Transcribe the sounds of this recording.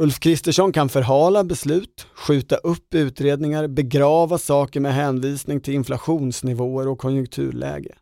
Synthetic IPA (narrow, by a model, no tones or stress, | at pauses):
ɵlfkʰɾɪst̪əʂɔnkʰanfœɾɦɑːlabɛslʉ̟ːt̪ɧʉ̟ːt̪aʔɵpːʉ̟ːt̪ɾeːd̪nɪŋaɾbɛɡɾɑːvasɑːkəɾmɛɦɛːnviːsnɪŋt̪ʰɪlɪnflaɧuːnsnɪvoːəɾɔkʰːɔnjɵŋk̚t̪ʰʉ̟̰ːɭʔɛ̰ːɡə̰